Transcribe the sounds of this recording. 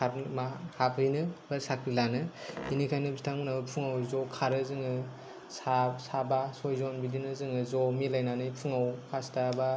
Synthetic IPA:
aɾmahapʰɯjnɯbasakʰɾilanɯinikʰajnɯbzitʰaŋmɯnabɯpʰuŋawzɔkʰaɾɯzɯŋɯ | sasabasɔjzɔnbidinɯzɯŋɯzɔmilajnanɯjpʰuŋawkʰastaba

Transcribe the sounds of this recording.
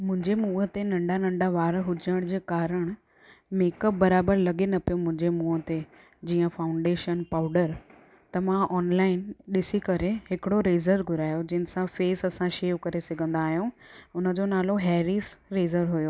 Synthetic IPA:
mʊ̃ɦɪ̃ɲd͡ʑemuːət̪enɐ̃ɳɖanɐ̃ɳɖaʋaːɾɦʊd͡ʑəɽ̃d͡ʑeːkaːɾəɽ̃ | meːkəp̚bɐɾaːbəɾlɐɠenɐpijomʊ̃ɦɪ̃ɲd͡ʑemuːɦət̪e | d͡ʑiːə̃faːʊ̃ɳɖeːʃənpaːʊɖəɾ | t̪ɐmãʔɔːnlaːɪnɗɪsikɐɾeɦɪkɪɽoɾeːzəɾɡʱʊɾaːjod͡ʑɪnɪ̆sãfeːsɐsãʃeːukɐɾesɐɡʱə̃nd̪aːɦijũʊnə̆d͡ʑonaːloɦɛːɾiːsɾeːzəɾɦʊjoː

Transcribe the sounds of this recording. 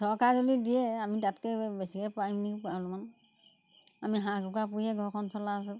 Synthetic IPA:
sɔɹkaɹzɔlidijɛamitatkɛbɛsikɛpaimnikipaluman | amiɦãɡukap̬ujɛɡʱɔɹkʰɔnsɔlaːs̬ɛ

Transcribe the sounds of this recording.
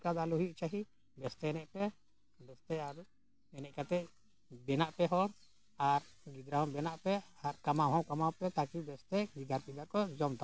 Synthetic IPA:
kad̪aluɦuʔt͡ʃaɦi | bɛst̪ɛɛnɛʔpɛ | bɛst̪ɛaɾ | ɛnɛʔkat̪ɛ | bɛnaʔpɛɦɔɾ | aɾɡid͡ʒ̪ɾaɦɔ̃bɛnaʔpɛaɾkamabɔ̃wkamawpɛt̪akibɛst̪ɛɡid͡ʒ̪aɾpid̪akɔd͡ʒɔmt̪a

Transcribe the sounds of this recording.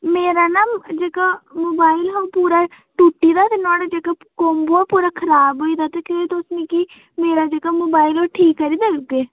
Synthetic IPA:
meːɾaːnaːd͡ʒeːkaːmoːbaːɪlɦoːpuːɾaː | ʈuːʈːiːd̪aːt̪enɔ̃ːɽad͡ʒeːkaː | koːmboːaːpuːɾaːkʰəɾaːbɦoːiːd̪aːt̪eːkõːet̪ːʊsnẽːkiː | meːɾaːd͡ʒeːkaːmoːbaːɪlɦoːʈʰiːkːəɾiːd̪aːd͡ʒʊɡeː

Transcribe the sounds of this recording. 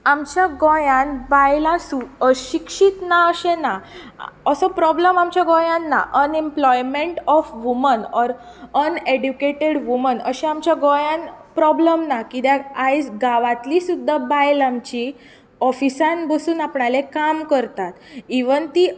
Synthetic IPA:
amt͡ɕjaɡɔjãnbajlãsuəɕikʂit̪naəɕẽna | əsɔpɾɔbləmamt͡ɕjaɡɔjãnːa̰ʔənemplɔjmeɳʈɔfʋumənɔɾ | əneɖjukeʈeɽʋumənəɕeamt͡ɕjaɡɔ̃jãnpɾɔbləmnakid̪jaajsɡaʋãt̪lisud̪ʱːabajlamt͡ɕi | ɔfisãnbəsuːnapɳalekamkəɾt̪at̪iʋənt̪i

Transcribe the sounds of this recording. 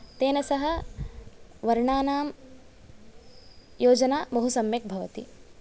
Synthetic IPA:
t̪eːnɐsɐɦɐ̆ | ʋɐɾɳaːnaːm | joːd͡ʒɐnaːbɐɦusɐmjɐk̚bʱɐʋɐt̪ḭ

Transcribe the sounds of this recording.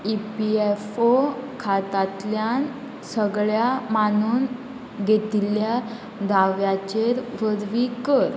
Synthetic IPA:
ipiefokʰat̪at̪ljan | səɡɭjamanuːn | ɡʱet̪ilja | d̪ʱaʋjat͡ɕeɾʋəd̪ʋikəɾ

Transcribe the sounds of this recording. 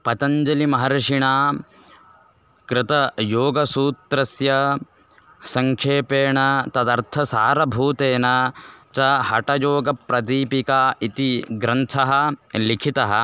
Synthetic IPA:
pɐt̪ɐɲd͡ʒɐlimɐɦɐɾɐʂiɳaː | kɾɪt̪ɐjoːɡɐsuːt̪ɾɐsjɐ | sɐŋkʂeːpeːɳɐt̪ɐd̪ɐɾt̪ʰɐsaːɾɐbʱuːt̪eːnɐt͡ʃɐɦɐʈɐjoːɡɐpɾɐd̪iːpikaːit̪iɡɾɐnt̪ʰɐɦɐlikʰit̪ɐɦɐ̰̆

